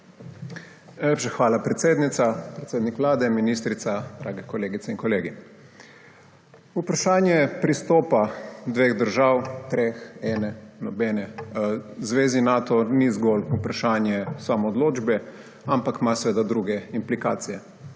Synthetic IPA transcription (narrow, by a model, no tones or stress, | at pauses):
najlʲeːpʃaxʋaːlapɾɛt̪seːd̪nit̪sapɾɛt̪seːd̪nikʋlaːd̪ɛminist̪ɾit̪sad̪ɾʔa̰ɡɛkɔleːɡit̪sɛinkɔleːɡi | upɾaʃaːnjɛpɾist̪oːpad̪ʋeɣd̪əɾʒawt̪ɾexɛːnɛnɔbɛːnɛ | zʋeːzinaːt̪ɔnizɡɔːlupɾaʃaːnjɛsamɔːd̪loːd͡ʒbɛ | ampakmasʋeːd̪ad̪ɾuɡɛimplika̰ːt̪sijɛ